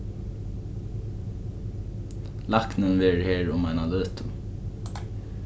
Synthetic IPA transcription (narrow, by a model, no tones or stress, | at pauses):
lɑknənʋeːɹheːɹʊmæɪnɑløːt̪ʰʊ